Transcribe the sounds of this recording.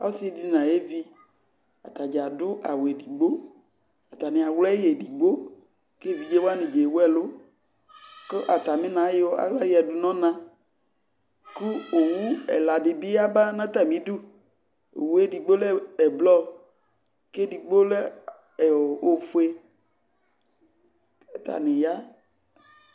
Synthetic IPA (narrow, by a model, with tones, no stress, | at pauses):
a˦si˦di˦nã˨je˦vi˦ | a̰˨t̪a˨d͡ʒa˨dʊ˦ʔa̰˨we˨di˨ɡ͡bo˦ | a˨t̪a˨nĩ˨a˨wlɛ˦je˨di˨ɡ͡bo˦ | ke˦˨vi˨d͡ʒe˦wo˦a˦nĩ˨d͡ʒe˨wu˦ɛ˦lo˦ | ke˦ʔa˨t̪a˨mĩ˦nã˨˦jo˦a̰˨˦la˦e˦ɛ˨du˨nɔ̃˦nã˦ | ku˦wo˨wũ˦ɛ̰˨la˨dɪ˨bi˦a˦ba˦nã˦t̪a˨mĩ˦dṵ˦˨ | wu˨˦e˦˨di˨ɡ͡bo˦le˦ɛ˨blɔ˦ | ke˦di˨ɡ͡bo˦le˦ | e˨o˨o˨fu˦e˦ | ɛ˨t̪a̰˨nĩ˨ja˦